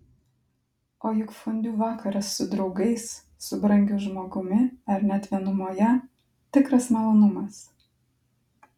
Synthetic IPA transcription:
oːjʊkfʊnʲd̪ʲuːʋɑːkɐɾɐsːʊd̪ɾɒʊɡɐɪs | sʊbɾɐŋʲɡʲʊːʒmoːɡʊmʲɪɐɾnʲɛt̪ʲʋʲiɛnʊmoːjɛ | t̪ʲɪkɾɐsmɐlˠoːnʊmɐs

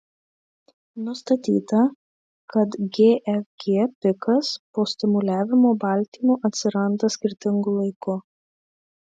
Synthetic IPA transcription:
nʊst̪ɐt̪ʲḭːt̪ɐ | kɐt̪ɡʲeːʔɛfɡʲeːpʲɪkɐspoːsʲt̪ʲɪmʊlʲæːʋʲɪmoːbɐˑlʲt̪ʲiːmoːʔɐt̪ʲsʲɪɾɐnd̪ɐsʲkʲɪɾʲt̪ʲɪŋɡʊlˠɐɪkʊ

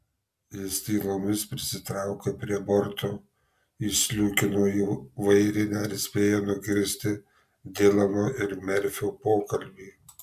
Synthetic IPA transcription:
ɪsʲt̪ʲiːlˠoːmʲɪspʲɾʲɪsʲɪt̪ɾɑˑʊkɐpʲɾʲiɛbɔɾt̪oː | ɪsʲlʲʊkʲɪnoːiʋɐɪɾʲɪnʲɛɾʲsʲpʲeːjɛnʊɡʲɪɾʲsʲt̪ʲɪ | d̪ʲɪlʲˠɐmoːʔɪɾmʲɛɾʲfʲupoːkɐlʲbʲiː

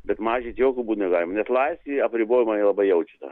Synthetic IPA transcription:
bʲɛt̪mɑːʒʲit̪ʲjoːkʲubuːt̪nʲɛɡɑːlʲɪmɐnʲɛslˠɐɪsʲtʲt̪ʲiɐpʲɾʲɪboːjɪmɐnʲiɛlˠɐbɐɪjɛʊt͡ʃʲɪ̥t̪ɐ̰

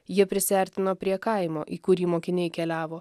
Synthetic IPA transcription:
jiɛpʲɾʲɪsʲʋʲɛˑɾʲt̪ʲɪnoːpʲɾʲiɛkɐˑɪmo̰ːʔiːkʊɾʲiːmoːkʲɪnʲɛɪkʲɛlʲæːʋoː

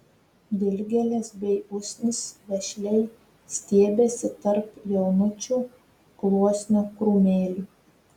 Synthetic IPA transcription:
d̪ʲɪlʲɡʲɛlʲɛsbʲɛɪʊsʲnʲɪsʋʲɛʃʲlʲɛɪ | sʲt̪ʲiɛbʲeːsʲɪt̪ɐɾpjɛʊnʊt͡ʃʲuː | klˠuɔsʲnʲoːkɾumʲeːlʲu

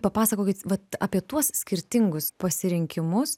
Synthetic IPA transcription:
pɐpɑːsɐkoːkʲɪt̪ʋɐt̪ɑ̰ːpʲiɛt̪uɔssʲkʲɪɾʲt̪ʲɪŋɡʊspɐsʲɪɾʲɪŋʲkʲɪmʊs

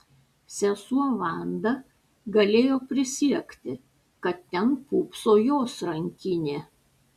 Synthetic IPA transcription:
sʲɛsuɔʋɑˑnd̪ɐ | ɡɐlʲeːjoːpʲɾʲɪsʲiɛkt̪ʲɪ | kɐt̪t̪ʲɛnpuːpsoːjoːsɾɐŋʲkʲɪnʲeː

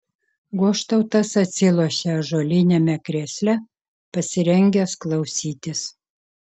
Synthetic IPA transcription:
ɡuɔʃt̪ɐʊt̪ɐsɐt̪ʲsʲɪlˠoɔʃʲɛʒoːlʲɪnʲɛmʲɛkɾʲeːsʲlʲɛ | pɐsʲɪɾʲɛŋʲɡʲɛsklˠɐʊsʲiːt̪ʲɪs

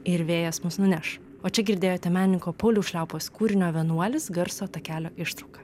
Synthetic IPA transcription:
ɪɾʋʲeːjɛsmʊsnʊnʲɛʃ | oːt͡ʃʲɛɡʲɪɾʲd̪ʲeːjoːt̪ʲɛmʲæːnʲnʲɪŋkoːpɐʊlʲuːʃʲlʲæˑʊpoːskuːɾʲɪnʲoːʋʲɛnuɔlʲɪsɡɐɾsoːt̪ɐkʲæːlʲoːʔɪʃt̪ɾɐʊkɐ

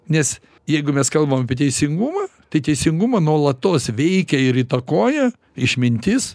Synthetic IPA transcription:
nʲɛs | jɛɪɡʊmʲɛskɐlˠbɐmɐpʲiɛt̪ʲɛɪsʲɪŋɡumɐːt̪ɐɪt̪ʲɛɪsʲɪŋɡʊmɐnuɔlˠɐt̪oːsʋʲɛɪkʲɛɪɾit̪ɐkoːjɛ | ɪʃmʲɪnʲt̪ʲɪs

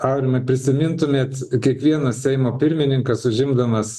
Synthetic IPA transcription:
ɐʊɾʲɪmɐɪpʲɾʲɪsʲɪmʲɪnt̪ʊmʲeːt̪kʲiɛkʋʲiɛnɐssʲɛɪmoːpʲɪɾʲmʲɪnʲɪŋkɐsʊʒʲɪmd̪ɐmɐs

